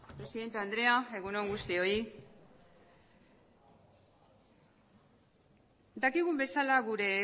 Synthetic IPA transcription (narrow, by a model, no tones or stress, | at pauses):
pɾe̞siðe̞nt̪eand̪ɾe̞ae̞ɣunoŋɡust̪io̞i | d̪akiɣumbe̞salaɣuɾe̞